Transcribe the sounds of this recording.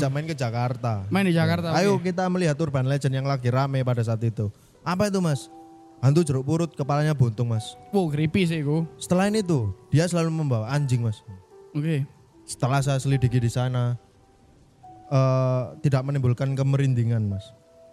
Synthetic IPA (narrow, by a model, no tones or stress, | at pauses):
aʔmaɪnkəd͡ʒakart̪amaɪnid͡ʒakart̪aajokit̪aməliɦat̪ːʊrbanled͡ʒə̤njaŋlaɡiɾamɛpadas̬aːt̪it̪u | ʔapait̪̬umas | ɦant̪ud͡ʒəɾʊʔbuɾʊt̪̚kəpalaɲabont̪ʊŋmaswoɡɾipis̬ɪkusə̥t̪əlaɦɪnit̪̬ud̥ijasəlaluməmbawaʔaɲd͡ʒɪŋmasoke | sə̥t̪əlahs̬ajsəlidikidisana | ət̪idaʔ̚mənimbʊlkankəməɾind̪iŋanmas